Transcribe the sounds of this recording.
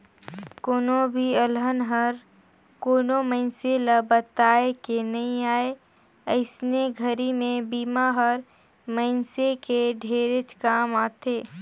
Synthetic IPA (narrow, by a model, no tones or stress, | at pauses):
koːnobʱiəlɦənɦəɾ | koːnomə̃ɪnseləbət̪aːekenɐɦĩaːe | əɪsneɡʱəɾimẽbiːmaɦəɾ | məɪnsekeɖʱeːɾɪt͡ʃkaːmaːt̪eː